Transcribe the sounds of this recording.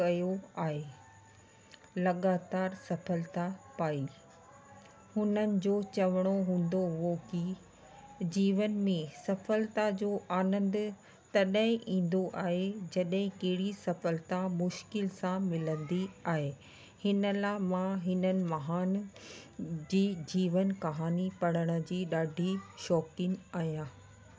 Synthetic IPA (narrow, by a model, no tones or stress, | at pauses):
kɐjoaːɦe | lɐɠaːt̪aːɾsɐfəlt̪apaːiː | hʊnənɪ̆d͡ʑoːt͡ɕɐʋəɽ̃oɦũːn̆d̪oɦʊɦoki | d͡ʑiːʋənmẽsɐfəlt̪ad͡ʑoːʔaːnə̃nd̪ | t̪ɐɗɦɪ̃ʔĩːn̆d̪oʔaːɦed͡ʑɐɗɦɪ̃kɐɦɪɽisɐfəlt̪amʊʃkɪlsãmɪlə̃nd̪iaːɦeː | hɪnəlaːmãɦɪnənɪ̆mɐɦaːn | d͡ʑiːd͡ʑiːʋənkɐɦaːnipɐɽəɽ̃ə̆d͡ʑiːɗaːɖʱiʃɔːkɪnaːɦijãː